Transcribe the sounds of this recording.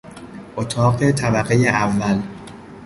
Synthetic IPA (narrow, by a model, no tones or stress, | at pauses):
ʔot̪ʰɒːɢe̞t̪ʰæbæɢejeʔævːæl